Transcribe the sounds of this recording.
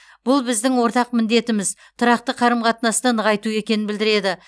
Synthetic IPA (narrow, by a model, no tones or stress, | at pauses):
b̥ʊlˠbɪzd̪ɪŋwo̞ɾt̪ɑq̚mɪnd̪e̞t̪ɪmɪz | t̪ʰʊɾɑq̚t̪əqʰɑɾəmqʰɑt̪nɑst̪ɑnəʁɑjt̪ue̞kʲe̞nɪnbɪld̪ɪɾe̞d̪ɪ